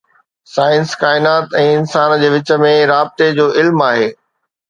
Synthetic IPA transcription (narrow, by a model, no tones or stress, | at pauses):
saːɪnskaːɪnaːt̪ɛ̃ːɪnsaːnd͡ʑeːʋɪt͡ɕə̆mẽɾaːb̚t̪ed͡ʑoːʔɪlmaːɦeː